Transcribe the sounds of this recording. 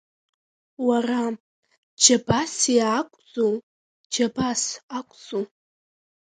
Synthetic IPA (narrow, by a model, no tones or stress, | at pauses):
wara | d͡ʒabasiːkʷʼd͡zo | d͡ʒabasakʷʼd͡zo